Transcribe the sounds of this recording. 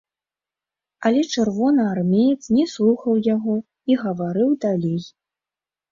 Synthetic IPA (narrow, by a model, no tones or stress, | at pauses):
ɐlʲɛt͡ʂɨrvɔnɐarmʲejɛt̪snʲɛslˠuxɐwjaɣɔ | iɣɐvaɾɨwd̪alʲej